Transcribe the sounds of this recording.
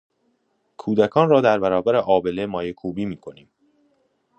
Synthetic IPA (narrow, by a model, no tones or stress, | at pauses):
kʰuːd̪ækʰɒːnrɒːd̪æɾbæɾɒːbæɾeʔɒːbe̞lemɒːjekʰuːbiːmiːkʰo̞niːm